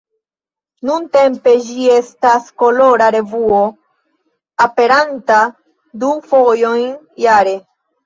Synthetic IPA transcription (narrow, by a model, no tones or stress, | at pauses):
nunte̞mpe̞d͡ʒie̞stasko̞lo̞ɾaɾe̞vuo̞ | ape̞ɾanta | dufo̞jo̞jn | jaɾe̞